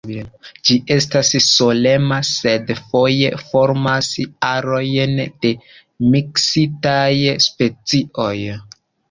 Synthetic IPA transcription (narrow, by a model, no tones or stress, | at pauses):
d͡ʒiʔe̞stasːo̞le̞mase̞dfo̞je̞fo̞ɾmasaɾo̞jnd̥e̞ | miksitajspe̞t͡siʔo̞j